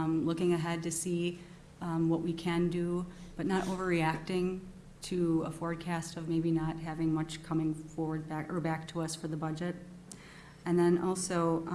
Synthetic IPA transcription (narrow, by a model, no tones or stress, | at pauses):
lʊkɪ̃ŋɨɦɛd̚tɨsi | wʌʔwikʰɨ̃ndɨb̥ʌtⁿnəɾʔoʊvə˞iæk̚tɪ̃ŋ | tʰɨəfɔɹd̚kʰæstʌvmeɪbinət̚ɦævɪ̃ŋmʌt͡ʃkʰʌmɪ̃ŋfɔɹwə˞d̚bæə˞bæk̚tʰəʌsfə˞ðəbʌd͡ʒɨɾ̚ | ɨ̃nðɨ̃nʔɔlˠsoʊ